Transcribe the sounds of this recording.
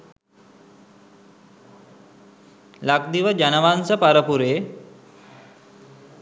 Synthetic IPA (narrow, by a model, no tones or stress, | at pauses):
lak̚d̪iʋəd͡ʒanəʋansəpaɾəpuɾeː